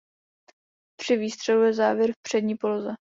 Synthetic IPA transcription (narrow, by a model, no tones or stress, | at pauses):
pr̝̥ɪviːst̪r̥ɛlujɛzaːvjɛɾfpr̝̥ɛdɲiːpolozɛ